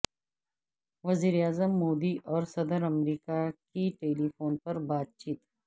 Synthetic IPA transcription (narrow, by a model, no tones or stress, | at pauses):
ʋɐziːɾeaːzəmːoːd̪iʔɔːɾsɐd̪əɾɐmɾiːkakiʈeːlifoːnpɐɾbaːt̪̚t͡ʃiːt̪